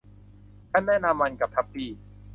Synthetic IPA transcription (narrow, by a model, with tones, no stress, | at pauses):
k̪ʰa˥˩nːɛː˥˩naː˧mːa˧nka˨˩p̚t̪ʰa˦˥p̚pːiː˧˩